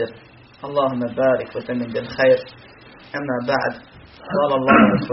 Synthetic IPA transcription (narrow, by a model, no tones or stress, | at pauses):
ɪɾ | ʔɑlˤːɑːɦʊmːabaːɾɪkwasamːɪmbɪlxajɾ | ʔamːabaʕd̪ | qɑːlɑlˤːɑːhɾˤɑsu